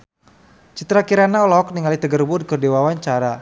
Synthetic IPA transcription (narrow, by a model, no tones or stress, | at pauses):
t͡ʃit̪ɾakiɾanaɔlɔɦɔk̚niŋalit̪əɡərbʊd̚kərdewawaɲt͡ʃaɾa